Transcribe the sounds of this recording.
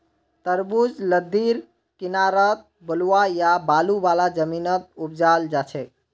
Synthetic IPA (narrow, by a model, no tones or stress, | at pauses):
t̪əɾbud͡ʒləd̪ːiɾ | kinaɾət̪̚ | bəluwajabalubalad͡ʒəminət̪̚up̚d͡ʒald͡ʒat͡ʃʰɛ